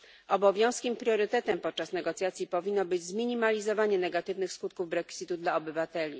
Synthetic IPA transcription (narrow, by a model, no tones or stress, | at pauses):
ʔɔbɔvʲjɔ̃w̃skʲimpɾʲjɔɾɘt̪ɛt̪ɛmpɔt̪̚t͡ʂasnɛɡɔt̪sjat̪sʲjipɔvʲinːɔbɘd͡ʑzmʲiɲimalʲizɔvaɲɛnɛɡat̪ɘvnɘxskut̪̚kuvbɾɛksʲit̪ud̪laɔbɘvat̪ɛlʲi